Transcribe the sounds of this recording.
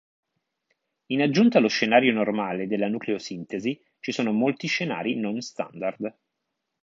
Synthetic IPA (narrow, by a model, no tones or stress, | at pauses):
inad͡ʒːunt̪aloʃːenaːɾjonormaːled̪elːanukleosint̪ezi | t͡ʃisoːnomolt̪iʃːena̰ːɾinonst̪a̰nd̪ard̪